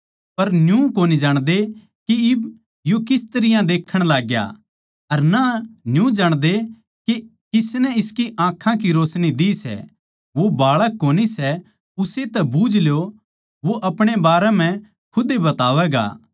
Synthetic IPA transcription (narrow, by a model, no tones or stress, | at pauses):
pɐɾnjũkoːnid͡ʒaːɽ̃d̪e | kiɪb | jokɪst̪ɐɾɪjãd̪eːkʰːəɽ̃laːɡja̰ | ɐɾnanjũd͡ʒaːɽ̃d̪e | kikɪsnɛɪskiʔãːkʰãk̬iɾoːsnid̪isɛ̰ | ʋobaːɭəkːoːnisɛ | ʊset̪ɛbuːd͡ʒʱljo | ʋoʔɐpɽ̃ebaːɾɛm̤ɛ̃ | kʰʊd̪ebɐt̪aːʋɛɡa̰ː